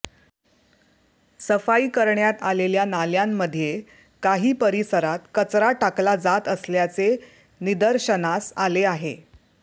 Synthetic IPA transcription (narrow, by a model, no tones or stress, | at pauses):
səfaiːkəɾɳjat̪aleljanaljamːəd̪ʱje | kaɦiːpəɾisəɾat̪kət͡sɾaʈaklad͡zat̪əsljat͡se | nid̪əɾɕənasaleaɦḛ